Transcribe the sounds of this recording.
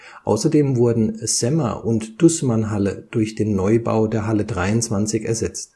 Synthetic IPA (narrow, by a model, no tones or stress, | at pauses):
ʔaʊsɐdeːmvʊɐdn̩z̥ɛmɐ̰ʔʊntd̥ʊsmanɦaləd̥ʊɐçd̥eːnːɔʏba̰ʊdeːɐɦalədʁaɪʊnt͡sv̥ant͡sɪçɛɐzɛt͡st